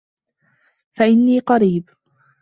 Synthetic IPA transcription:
faʔɪnːiːqɑɾiːb

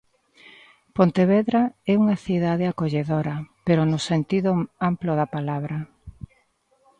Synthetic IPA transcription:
pont̪eβeðɾaɛuŋɐθiðaðeakoʎeðoɾɐpeɾʊnʊsent̪iðʊamploðɐpalaβɾɐ

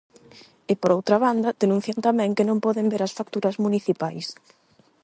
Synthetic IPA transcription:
ɪpoɾowt̪ɾɐβand̪ɐd̪enũn̟θjant̪amɛ̃ŋkɪnõmpɔðɪmbeɾɐsfak̚t̪uɾɐzmuniθipajs

